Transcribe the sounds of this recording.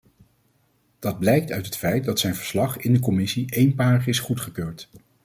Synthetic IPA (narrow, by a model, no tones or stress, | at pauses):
d̥ɑd̚blɛjk̚tœɥtɦətfɛjt̚dɑtsɛjnvəɹslɑχɪndəkɔmɪsiʔejnpaːɹəχɪsχutχəkøːɹt